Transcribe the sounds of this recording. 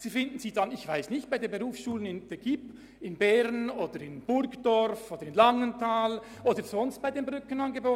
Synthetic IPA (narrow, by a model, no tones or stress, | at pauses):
z̥iːfɪndn̩ziːdanɪçv̥aɪsnɪçt̚b̥aɪdeːnbeʁuːfsʃuːlənɪnd̥ɛɡ̥ip | ɪnbɛɾnoːd̥əɾɪnb̥ʊɾkd̥ɔɾfoːd̥əɾɪnlɑŋəntʰaːl | ʔoːdəzɔnst̚b̥aɪdeːnmbʁʏkənɑnɡəboː